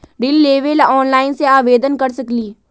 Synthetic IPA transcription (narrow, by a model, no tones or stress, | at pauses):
ɾɪlːeːʋelaɔːnlaːɪnseaːʋeːd̪ənkɐɾsəkliː